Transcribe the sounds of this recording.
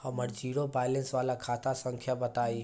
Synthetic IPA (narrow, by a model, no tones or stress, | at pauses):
hɐməɾd͡ʒiːɾobaːɪlẽnsʋaːlakʰaːt̪asə̃ŋkʰjabɐt̪aːi